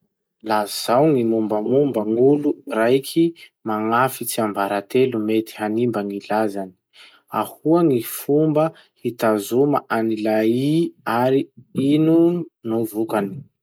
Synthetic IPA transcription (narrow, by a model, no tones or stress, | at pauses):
lazz̥awŋimumbəŋumbəŋulurajkʰimaŋafit͡siambaɾat̪elumet̪i̥hanimbəŋilazani̥ | a̰huaŋifumbə | hit̪azuma̰ʔanilaiaɾiinunuvukani̥